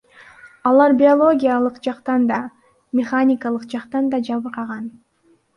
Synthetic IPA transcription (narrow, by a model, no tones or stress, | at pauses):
ɑlˠɑɾbʲɪolˠo̞ɡʲijalˠɯqd͡ʒɑqt̪ɑnd̪ɑ | mʲɪχanʲɪkalˠɯqd͡ʒɑqt̪ɑnd̪ɑd͡ʒɑβɯɾqɑʁɑn